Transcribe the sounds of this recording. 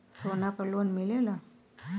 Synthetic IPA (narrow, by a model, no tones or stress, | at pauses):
sonapəlonmilela